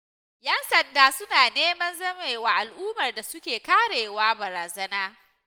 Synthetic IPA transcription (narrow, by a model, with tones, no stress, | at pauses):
jɐ˦nsɐ˨ndaː˦sʊ˦naː˨neː˦mɐ˦nzɐ˦meː˨waː˨ʔa˨lʔuː˦mɐ˨rda˨sʊ˦kʲeː˨kaː˦ɽeː˨waː˦bɐ˨ɾaː˨zɐ˦naː˦